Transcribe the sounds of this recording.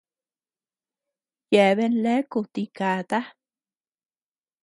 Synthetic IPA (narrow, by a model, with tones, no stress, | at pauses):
je˧βe˧nle˦ku˧t̪i˧ka˨t̪a˦